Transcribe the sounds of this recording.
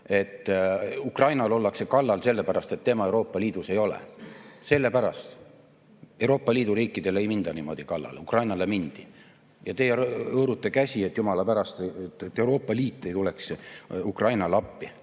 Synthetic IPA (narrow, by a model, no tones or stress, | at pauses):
e̞t̪ːukrɑjnɑlo̞lːɑkse̞kɑlːɑlse̞lːe̞pæɾɑst̪e̞t̪ːe̞mɑe̞wɾo̞ːpːˑɑliːd̪̥use̞jo̞lḛse̞lːe̞pæɾɑ̰st̪ | e̞wɾoːpːˑɑliːd̪̥uɾiːkːˑid̪̥e̞le̞jmind̪̥ɑnimo̞̰d̪̥ikɑlːɑ̰lukrɑjnɑle̞mind̪̥i | jɑt̪e̞jɤːɾut̪ːˑekæsʲie̞t̪ːjumɑlɑpæɾɑst̪t̪ːet̪ːewɾo̞ːpːˑɑliːt̪ːˑe̞jt̪ule̞ksukrɑjnɑlɑpːi